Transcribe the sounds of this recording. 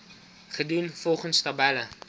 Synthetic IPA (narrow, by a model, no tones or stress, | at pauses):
χədunfɔlˠχənstabɛlə